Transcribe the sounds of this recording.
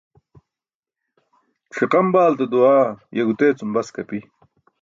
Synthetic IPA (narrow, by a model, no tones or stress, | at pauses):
ʈ͡ʂʰiqɐmbaːlt̪ɐd̪uaːjɐɡut̪eːt͡sumbɐskɐpi